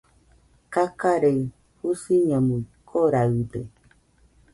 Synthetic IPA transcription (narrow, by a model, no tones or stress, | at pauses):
kakaɾe | husiɲãmũikʰoɾaɯdḛ